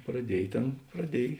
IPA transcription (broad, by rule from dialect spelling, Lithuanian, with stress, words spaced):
prɐˈdʲiɛj ˈtʲeːn prɐˈdʲiɛj